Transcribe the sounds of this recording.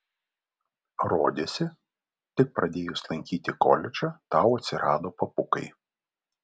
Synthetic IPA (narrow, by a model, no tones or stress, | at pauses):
ɾoːd̪ʲeːsʲɪ | t̪ʲɪk̚pɾɐd̪ʲeːjʊslˠɐŋʲkʲiːt̪ʲɪkɔ̰lʲɪt͡ʃɐt̪ɑˑʊɐt̪ʲsʲɪɾɑːd̪oːpɐpʊkɐɪ